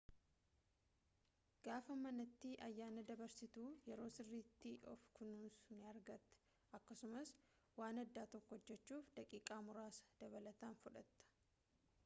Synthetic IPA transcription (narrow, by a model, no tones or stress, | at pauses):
ɡ̥aːfɐmɐnɐt̪ːɪʔɐjːaːnɐd̪ɐbɐɾsɪt̪uːjɛɾo̞ːsɪrːiːt̪ːɪʔɔ̰fkʰʊnuːnsʊnɐɾɡɐt̪ːɛ̥ | ɐkːɐsʊmɐs | waːnɐd̪ːaːt̪ɔkːɔɔd͡ʒːɛt͡ʃːuːfd̪ɐkʼiːkʼaːmʊɾaːsɐ̥d̪̥ɐβɐlɐt̪aːnfʊᶑɐt̪ːɐ̥